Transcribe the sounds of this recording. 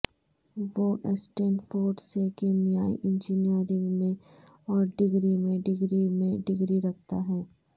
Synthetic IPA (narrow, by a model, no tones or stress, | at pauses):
ʋoːʔɛsʈeːnfoːɾɖsekeːmijaːḭʔɪ̃nd͡ʒiːnijəɾɪ̃ŋɡmẽ | ɔːɾɖɪɡɾimẽɖɪɡɾimẽɖɪɡɾiɾɐkʰt̪a̰ɦɛː